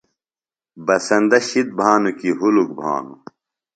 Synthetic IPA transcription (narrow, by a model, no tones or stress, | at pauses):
bɐsɐnd̪ɐɕid̪̚bʱaːnukiɦuluk̚bʱa̰ːnṵ